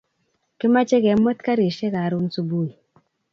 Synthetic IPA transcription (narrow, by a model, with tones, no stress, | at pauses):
ke˦ma˦t͡ʃe˦kɛ˨˦mo˦tka˦ɾi˨ʃe˦ka˨ɾu˦n˦su˦bu˦˨i˨